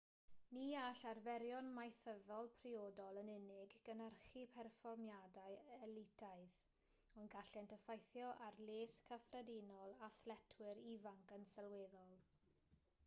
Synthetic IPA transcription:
niːaɬarvɛɾjɔnmajθəðɔlˠpʰrioːdɔlˠənɪnɪɡːənərχipʰɛrfɔrmjadajɛlɪtʰaɨð | ɔnɡaɬɛntʰəfajθjɔʔarleːskʰəfrɛdinɔlˠaθlɛtʰwɪɾivaŋkənsɛlˠweːðɔlˠ

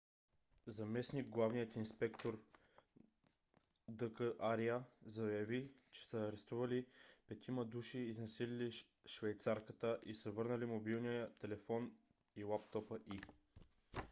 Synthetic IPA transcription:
zɐmɛsniɡ̚ɡlˠavnijət̪inspɛkt̪oɾ | d̪əkəʔaɾiəzɐjɐvit͡ʃɛ̥səːɾɛst̪uvɐlipɛt̪ʰiməd̪uʃiːznɐsilili | ʃvɛjt̪saɾkət̪əʔisəvɤɾnəlimobilˠnijət̪ɛlɛfɔn | ilapt̪ɔpəʔi

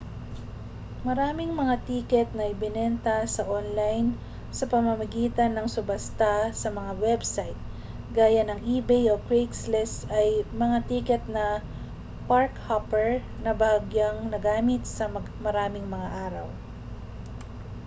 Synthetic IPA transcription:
mɐɾaːmɪŋmɐŋat̪iːkɛt̪̚nɐʔɪbɪnɛnt̪ɐsɐʔonlajn | sɐpɐmɐmɐɡiːt̪ɐnːɐŋsʊbɐst̪asɐmɐŋawɛbsajt̪̚ | ɡaːjɐnɐŋʔiːbɛjʔokɹekslɛsɐjmɐŋat̪iːkɛt̪̚nɐ | paɹkhapɛɹ | nɐbaɡjaŋnɐɡaːmɪt̪̚sɐm | mɐɾaːmɪŋmɐŋaʔaːɾɐw

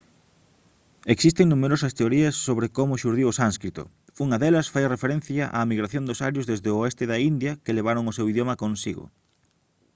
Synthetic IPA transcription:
eksist̪eŋnumeɾosɐst̪eoɾiɐsːoβɾɪkomʊʃuɾðiwʊsanskɾit̪o̰ | uŋɐðɛlɐsfajrefeɾen̟θjɐʔa̰miɣɾaθjond̪osaɾjʊzðezðɪoest̪ɪðɐind̪jɐkeleβ̞aɾoŋʊsewiðjomɐkõnsiɣʊ̰

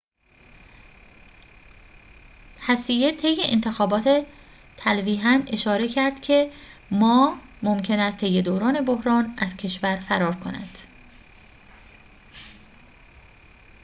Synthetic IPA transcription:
hæsijet̪ʰe̞jːeʔent̪ʰe̞xɒːbɒːt̪ʰe̞ | t̪ʰælviːɦæne̞ʃɒːɾe̞cʰæɾd̪̥cʰe̞mɒːmomcʰe̞næst̪t̪ʰe̞jːe̞d̪oːɾɒːne̞bohɾɒːnʔæzcʰe̞ʃvæɾfæɾɒːɾkʰo̞næ̰nd̪̥

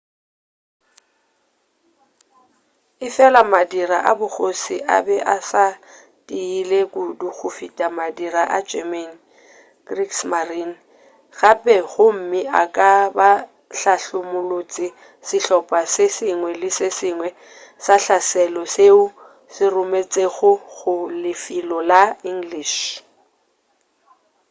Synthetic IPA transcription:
ɪfɛlamadiraʔabʊɣosiʔa̰bɛʔasa | tʼiilekʼʊduk͡xʰʊfitʼamadiɾaʔad͡ʒɛman | ɡ̥riksmarin | ɣapʼɛɣʊm̩mɪʔakʼaba | ɬaɬʊmʊlot͡sʼɪ | sɪɬɔpʼasesɪŋwɛlɪsesɪŋwɛ | saɬasɛlɔseʊ | sɪrʊmet͡sʼeɣʊɣʊlɪfilɔlaiŋ̩ɡliːʃ

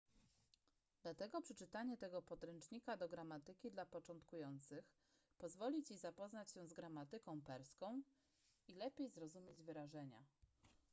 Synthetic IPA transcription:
d̪̥lat̪ɛɡɔpʂɛt͡ʂɘt̪aɲɛt̪ɛɡɔpɔd̪ɾɛnt͡ʂɲikad̪ɔɡɾamat̪ɘkʲid̪lapɔt͡ʂɔnt̪kujɔnt̪sɘx | pɔzvɔlʲit͡ɕizapɔznat͡ɕɕɛ̃zɡɾamat̪ɘkɔ̃w̃pɛɾskɔ̃w̃ | ilɛpʲjejzɾɔzumʲjed͡ʑvɘɾaʐɛɲa̰

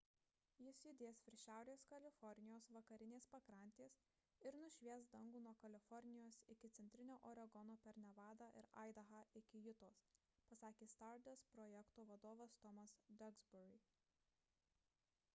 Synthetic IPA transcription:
jɪsjʊd̪ʲeːsʋʲɪɾʲʃʲæˑʊɾʲeːskɐlʲɪfɔɾʲnʲɪjoːsʋɐkɐɾʲɪnʲeːspɐkɾɐˑnʲt̪ʲeːs | ɪɾnʊʃʲʋʲiɛsd̪ɐŋɡuːnuɔkɐlʲɪfɔɾʲnʲɪjoːsɪkʲɪt̪sʲɛnʲt̪ʲɾʲɪnʲoːʔɔːɾɐɡɔnoːpʲɛɾnʲɛʋɑːd̪ɑːʔɪɾɐ̰ɪd̪ɐɣɑɪkʲɪjʊt̪oːs | pɐsɑːkʲeːst̪ɑɾd̪ʲɛspɾɔːjɛkt̪oːʋɐd̪oːʋɐst̪ɔmɐsd̪ʲɐɡzbʲʊɾʲɪ

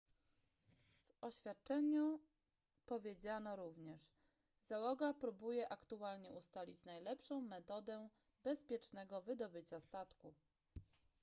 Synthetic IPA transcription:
vɔɕfʲat̪̚t͡ʂɛɲu | pɔvʲjed͡ʑanɔɾuvɲɛʂ | zawɔɡapɾubujɛʔakt̪ualɲɛʔust̪alʲit͡ɕnajlɛpʂɔ̃w̃mɛt̪ɔd̪ɛ | bɛspʲjɛt͡ʂnɛɡɔvɘd̪ɔbɘt͡ɕast̪at̪ku

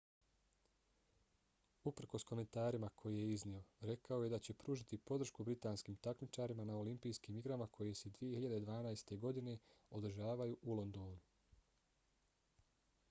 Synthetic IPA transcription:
upɾ̩ko̞sko̞me̞nt̪aːɾimakʰo̞jijeiznio̞ɾe̞kaoje̞d̪at͡ɕe̞pɾuːʒit̪ipo̞d̪ɾ̩ʃkubɾit̪aːnskiːmt̪akmit͡ʃaɾimanao̞limpijskiːmiɡɾamakʰo̞jesed̪ʋije̞hiʎad̪e̞d̪ʋaːnaest̪e̞ɡo̞d̪ine̞o̞d̪ɾ̩ʒaːʋajuʔulˠo̞nd̪o̞ːnu

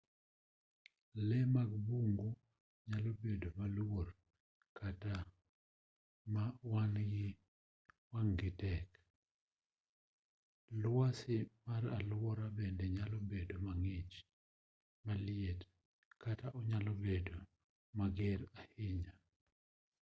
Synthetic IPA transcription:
lɛmaɡbuŋɡo | ɲalobedomalwor | kʰata | mawanɡɪ | waŋɡɪtɛk | lasɪmaɾalwɔɾabendɛɲalɔbedomaŋɪt͡ʃ | malɪet | kʰataʔɔɲalɔbedo | maɡɛɾahɪɲa

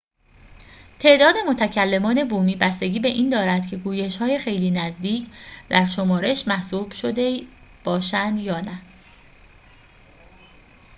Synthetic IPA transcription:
t̪ʰe̞ʔd̪ɒːd̪e̞mo̞t̪ʰæcʰælːe̞mɒːne̞buːmiːbæst̪e̞ɟʲiːbe̞ʔiːnd̪ɒːɾæd̪cʰe̞ɡuːje̞ʃhɒːje̞xe̞jliːnæzd̪iːcʰd̪æɾʃo̞mɒːɾe̞ʃmæhsuːb̥ʃo̞d̪e̞ | b̥ɒːʃænd̪jɒːnæ

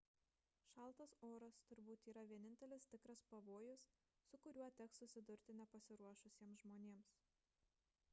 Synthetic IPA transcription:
ʃɑˑlˠˑt̪ɐsoːɾɐst̪ʊɾbuːt̪iːɾɐʋʲiɛnʲɪnʲt̪ʲɛlʲɪst̪ʲɪkɾɐspɐʋoːjʊsː | ʊkʊɾʲuɔt̪ʲɛksʊsʲɪd̪ʊɾʲt̪ʲɪnʲɛpɐsʲɪɾuɔʃʊsʲiɛmsʒmoːnʲeːms

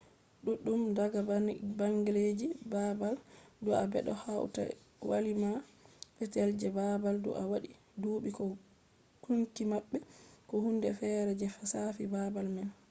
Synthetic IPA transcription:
ɗuɗːumdaɡabaŋɡiled͡ʒibabaldɔabɛ̰ɗɔhaw̰ta̰ | wa̰limaɓɛtɛld͡ʒɛbabaldɔ̰ʔawaɗi | duːɓikɔ | kuntimaɓːɛkɔhundɛfɛɾɛd͡ʒɛfasafibabalmɛn

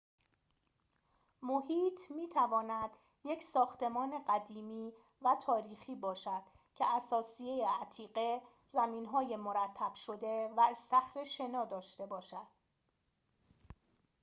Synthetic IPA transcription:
mohiːt̪ʰmiːt̪ʰævɒːnæd̪ | je̞cʰsɒːxt̪e̞mɒːne̞ɢæd̪iːmiː | væt̪ʰɒːɾiːxiːbɒːʃæd̪̥ | cʰeʔæsɒːsije̞jeæt̪ʰiːɢe̞ | zæmiːnɦɒːje̞moɾæt̪ʰːæb̥ʃo̞d̪e̞væest̪æxɾe̞ʃe̞nɒːd̪ɒːʃt̪e̞bɒːʃæd̪̥

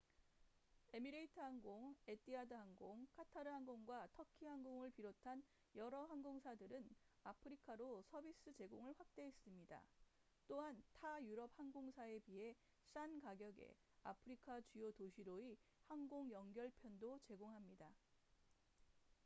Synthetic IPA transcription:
e̞miɾeitʰɯɦaŋɡoŋet͈ʰiadɯɦaŋɡoŋkʰatʰaɾɯɦaŋɡoŋɡwatʰʌkʰiɦaŋɡoŋɯɭpiɾotʰan | jʌɾʌɦaŋɡoŋsʰadɯɾɯnapʰɯɾikʰaɾosʰʌbis͈ɯt͡ɕe̞ɡoŋɯɭɸwak̚t͈e̞ɦːs͈ɯmɲida̰ | t͈oɦantajuɾʌp̚haŋɡoŋsʰae̞piɦe̞ | ɕ͈ʰankaɡjʌɡe̞̰ | a̰pʰɯɾikʰat͡ɕujotoɕʰiɾoihaŋɡoŋjʌŋɡjʌɭpʰjʌndot͡ɕe̞ɡoŋɦamɲida

